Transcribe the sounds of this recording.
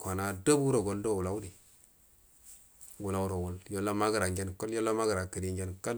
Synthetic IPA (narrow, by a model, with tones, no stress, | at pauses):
kʷa˨na˨do˦bu˦ɾo˨ɡo˨ndo˦˨ɡu˨la˨˦u˦di˨ | ɡu˨la˨˦u˦ɾo˨wu˨ljo˦lːa˦ma˦ɡi˨ɾa˨ŋd͡ʒe˦nko˦ljo˦lːa˦ma˦ɡə˨ɾa˨kə˨di˨ŋd͡ʒe˦nka˦l